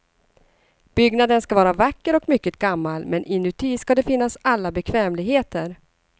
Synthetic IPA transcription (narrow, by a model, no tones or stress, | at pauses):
b̥ʏɡnad̪ənskavɑːɾavakːəɾɔkmʏkːət̪̚ɡ̥amːalmɛnʔɪnɵt̪ʰiːskad̪ɛfɪnːasalːabɛkʰvɛːmlɪɡɦeːt̪ʰəɾ